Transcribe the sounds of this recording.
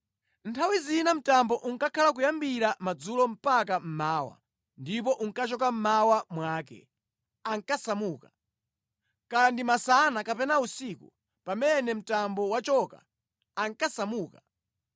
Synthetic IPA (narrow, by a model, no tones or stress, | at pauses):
ntʰawizinam̩tambɔʔuŋkakʰalakujambiɾamad͡zulɔm̩pakam̩maːwa̰ | ndip̬ɔʔuŋkat͡ʃɔk̬am̩mawamwaːkɛ̰ | aŋkasamuːka | kandimasanakapɛnausiːkṵ | pamɛnɛm̩tambɔwat͡ʃɔka̰ː | ŋkasamuːka